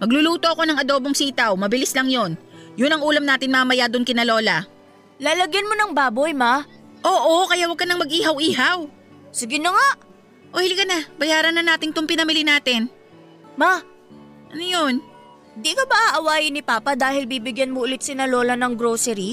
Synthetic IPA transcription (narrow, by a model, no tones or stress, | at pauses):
mɐɡ̚lʊluːt̪oʔɐko̞nɐŋɐd̪oːboŋsiːt̪ɐwmɐbɪlɪslɐŋjo̞njʊnɐŋʔuːlɐmnaːt̪ɪnmɐmɐjad̪ʊnkɪnɐlo̞ːlɐ | laːlɐɡjɐnmonɐŋbaːbojma | ʔo̞ːʔokɐjaʔwɐɡ̚kːɐnɐŋmɐɡʔiːɦɐwʔiːɦaw | sɪɡɪnɐŋaʔ | ʔohɪlɪkɐnabɐjaːɾɐnːɐnaːt̪ɪŋt̪ʊmpɪnɐmɪlɪnaːt̪ɪn | ma | ʔɐnojon | hɪnd̪ikobaʔaʔɐwaːjɪnɪpaːpɐd̪aːhɪlbiːbɪɡjanmoʔʊlɪt̪̚sɪnɐlolɐnɐŋɡɾosɛɾi